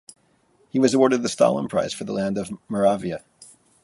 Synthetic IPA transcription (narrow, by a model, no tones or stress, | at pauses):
hiwʌzəwɔɹɾɨd̪̚ðɨstɑ̰lˠə̰̃npʰɹ̥a̰ɪz̥fə˞ðə̰læ̃ndʌvmə˞ɑviɨ